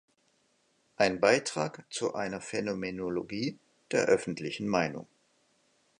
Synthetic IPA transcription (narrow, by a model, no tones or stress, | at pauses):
ʔaɪnbaɪtʁ̥a̰ːkt͡suʔa̰ɪnɐfenomenoloɡiː | d̥eːɐʔœfn̩tʰlɪçn̩maɪnʊ̰ŋ